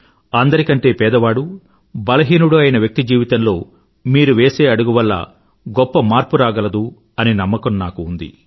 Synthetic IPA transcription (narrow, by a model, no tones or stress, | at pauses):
ɐnd̪ɐɾikɐɳʈe̞ːpɛːd̪ɐʋaːɽu | bɐlɐɦiːnuɽuɐjɐnɐʋjɐk̚t̪id͡ʒiːʋit̪ɐnlo̞ː | miːɾuʋeːse̞ːɐɽuɡuʋɐlːɐ̰ | ɡɔpːɐmaːɾpuɾaːɡɐlɐd̪u | ɐninɐmːɐkɐnːaːkuːnd̪ḭ